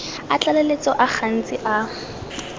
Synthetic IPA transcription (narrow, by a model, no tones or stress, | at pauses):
at͡ɬʼalelet͡sʼɔʔaχʰan̩t͡sʼɪʔa